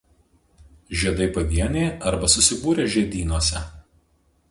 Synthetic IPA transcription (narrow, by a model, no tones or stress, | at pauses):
ʒʲiɛd̪ɐɪpɐʋʲiɛnʲeːɐɾbɐsʊsʲɪbuːɾʲeːʒʲiɛd̪ʲiːnuɔsʲɛ